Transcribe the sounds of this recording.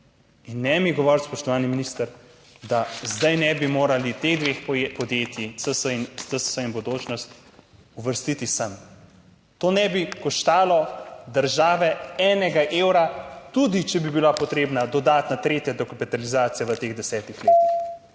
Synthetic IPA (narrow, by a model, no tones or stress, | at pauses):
inːɛmiɡɔʋɔɾt̪spɔʃt̪ɔʋaːniminist̪əɾ | d̪azd̪ajnɛbimoːɾalit̪eɣd̪ʋeːxpɔd̪jeːt̪jisəsəinst̪əssəimbɔd̪oːt͡ʃnɔst̪ | uʋəɾst̪it̪isam | t̪oːnɛbikɔʃt̪aːlɔd̪əɾʒaːʋɛɛːnɛɡaʔewɾat̪ud̪it͡ʃɛbibilapɔt̪ɾeːbnad̪ɔd̪aːt̪nat̪ɾeːt̪jad̪ɔkapit̪alizaːt̪sijaʋət̪eɣd̪ɛsɛːt̪ixleːt̪ix